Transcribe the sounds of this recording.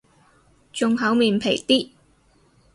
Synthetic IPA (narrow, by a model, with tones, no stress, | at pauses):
t͡ʃʊ˨˧ŋɦɐ˨˥wmiː˨npʰe˨˩jt̪iː˥